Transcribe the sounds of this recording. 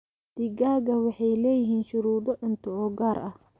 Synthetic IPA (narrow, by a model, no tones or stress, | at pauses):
d̪̥iɡaːɡɐwɑħɑjlɛːjɪɦiːnʃʊɾuːðɔʕʊnt̪ʰʊɔːɡaːɾʔɐh